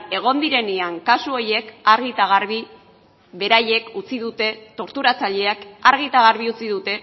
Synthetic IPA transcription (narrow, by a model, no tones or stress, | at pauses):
e̞ɣ̞o̞nd̪iɾe̞neaŋkasuo̞je̞kaɾɣit̪aɣ̞aɾβi | βe̞ɾaje̞kut͡siðut̪e̞t̪o̞ɾt̪uɾat͡saʎe̞akaɾɣit̪aɣaɾβiut͡siðut̪e̞